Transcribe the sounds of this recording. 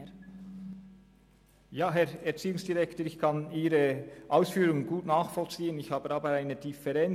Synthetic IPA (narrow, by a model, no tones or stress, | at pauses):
jaːɦɛʁɛɐt͡siːʊŋsd̥iʁɛktoəːɾɪçkʰɑniːɾəʔaʊsfyːɾʊŋənɡuːtnaːχfɔlt͡siːənɪçhɑːbəɑːbəaɪnəd̥ifɛʁɛn